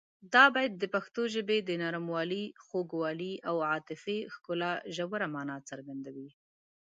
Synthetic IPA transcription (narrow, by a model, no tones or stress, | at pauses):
d̪ɑbɑjad̪̚ːəpaxt̪oʒəbed̪ənɑɾamwɑlixoɡwɑliawɑt̪ɪfixkʊlaʒawaɾamɑnɑt͡səɾɡand̪awi